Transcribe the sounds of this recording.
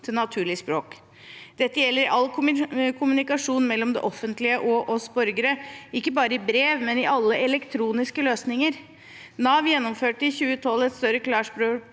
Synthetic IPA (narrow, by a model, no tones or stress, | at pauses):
t̪ʰɪlnɑt̪ʰʉːɭɪspɾoːk | d̪̥ɛt̪ːəjɛlːəɾɪʔɑlkʰkʰʊmʉnɪkɑʂuːnmɛlːɔmd̪ɛ̰ʔɔfːənt̪lɪəʔɔʔɔsbɔɾɡəɾəɪkːəbɑːɾəɪbɾeːʋmɛnɪʔɑlːəʔɛlɛkt̪ʰɾuːnɪskəløːsnɪŋəɾ | nɑːʋjɛnːɔmføːʈɪçʉːət̪ʰɔlːɛt̪st̪œɾəkʰlɑːʂpɾoː